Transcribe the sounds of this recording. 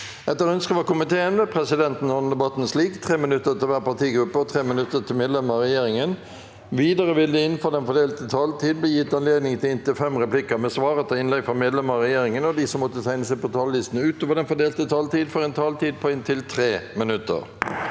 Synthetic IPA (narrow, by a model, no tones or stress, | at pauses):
ɛt̪ːəɾœnskəʋɑkʊmɪt̪ʰeːənʋɛpʰʁɛsɪd̪ɛnt̪n̩ɔn̩d̪ɛbɑt̪ːnsliːkt̪ʰʁeːmɪnʉt̪ːət̪ɪlʋæːʁpɑʁt̪ʰiːɡɾʉpːəɔt̪ʰʁeːmɪnʉt̪ːət̪ʰɪlmeːd̪lɛməɑʁɛjeːʁɪŋən | ʋiːd̪əʁəʋɪld̪ʉɪnfoːd̪ɛnfɔd̪eːlt̪ət̪ʰɑːlt̪ʰiːd̪̚bliːjɪt̪ːɑnleːd̪nɪŋt̪ʰɪlɪnt̪ɪlfɛmʁɛpʰlɪkːəmɛsʋɑːʁət̪ʰɛɪnlɛɡfʁɔmeːd̪lɛməʁɛjeːɾɪŋənɔd̪isɔmːɔt̪ːət̪ʰæɪnəsæɪpʰɔt̪ʰɑːllɪst̪n̩əʉːt̪oːʋəd̪ɛnfɔd̪eːlt̪ət̪ʰɑːlt̪iːd̪fɔʁɛnt̪ʰɑːlt̪iːd̪̚pʰɔɪnt̪ʰɪlt̪ʰʁeːmɪnʉt̪ːə̰ʁ